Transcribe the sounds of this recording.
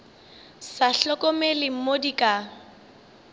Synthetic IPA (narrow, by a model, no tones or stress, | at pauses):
saɬɔkʼɔmelɪm̩modikʼa